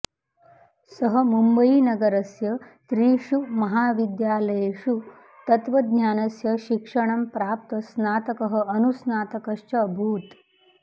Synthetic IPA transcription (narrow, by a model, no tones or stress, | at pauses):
sɐɦɐ̆mumbɐinɐɡɐɾɐsjɐt̪ɾiːʃumɐɦaːʋid̪jaːlɐjeʃu | t̪ɐt̪ʋɐd̪nɲjaːnɐsjɐʃikʂɐɳ̃ɐmpɾaːp̚t̪ɐsnaːt̪ɐkɐɦɐ̆ɐnusnaːt̪ɐkɐʃt͡ʃɐːbʱuːt̪